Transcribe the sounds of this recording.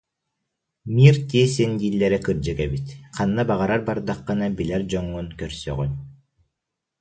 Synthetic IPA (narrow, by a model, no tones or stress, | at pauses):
miːɾt̪iɛsɛnɡ̪iːlʲːɛɾɛkɯɾd͡ʑɯɡɛbit̪qʰanːabaʁaɾaɾbaɾd̪aqːɯnabilɛɾd͡ʑɔŋːunkœɾsœ̰ʁynʲ